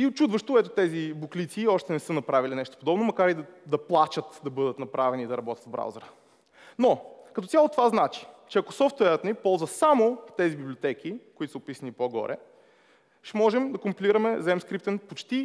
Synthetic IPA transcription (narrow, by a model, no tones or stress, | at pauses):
iot͡ʃud̪vəʃt̪oɛt̪ʊt̪ɛzibuklit̪siːɔʃt̪ɛnɛsɤnɐpɾavilinɛʃt̪o̥pod̪ɔbnomɐkaɾid̪d̪ɐplˠat͡ʃət̪d̪ɐbɤd̪ət̪nɐpɾavɛniːd̪ɐɾɐbɔt̪ʲjɐt̪vbɾa̰wzəɾə | nokɐt̪ɔt̪sʲjalˠot̪ovaznat͡ʃi̥t͡ʃɛɐkosɔft̪wɛɾət̪nipɔlˠzvəsamot̪ɛzibiblʲiot̪ɛkʰikoit̪o̥səʊpisənipoɡɔ̰ɾʔɛ̰ | ʃɛmɔʒɛmd̪ɐkʊmpiliɾɐmɛzɛmskɾip̚t̪ɛnpot͡ʃt̪i